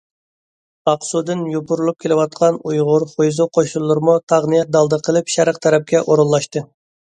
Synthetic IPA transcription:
ɑqsud̪ɨnjopuɾulˠup̚kʲʰelɪwɑt̪̚qʰɑnujʁʊɾχojzuqʰoʃulˠːuɾmut̪ʰɑʁnɨjɛt̪̚d̪ɑlˠd̪əqʰəlˠɨpʃɛɾəqt̪ʰɛɾɛp̚kʲɛʔoɾulˠːɑʃt̪ɨ

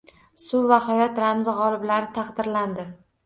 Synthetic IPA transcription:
sʊvahajɒt̪ɾamzʁɒlˠɪblaɾɪt̪ʰɑqd̪ɪɾland̪ɪ

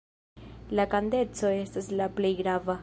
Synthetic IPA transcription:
lakande̞t͡so̞e̞staslaple̞jɡɾava

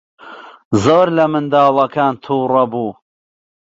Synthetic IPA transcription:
zoːɾlɐmɨnd̪ɑːlˠɐkaːnt̪ʰuːrɐbuː

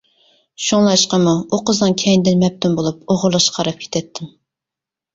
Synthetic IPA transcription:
ʃuŋlˠɑʃqɑmuoqʊznɑŋkʲʰɛjind̪ɪnmɛp̚t̪ʰumbolˠup̚oʁʊɾlˠɑʃqʰɑɾɑp̚kʲʰe̥t̪ʰɛt̪ʰːɪm

